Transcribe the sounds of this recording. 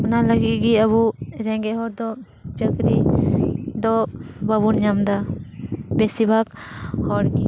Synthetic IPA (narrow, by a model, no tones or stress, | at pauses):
ɔnaləɡiʔɡiaβuɾɛŋɡɛɦɔɾd̪ɔ | t͡ʃəkɾi | d̪ɔbaβunɲamd̪a | bɛsibʱakhɔɾɡi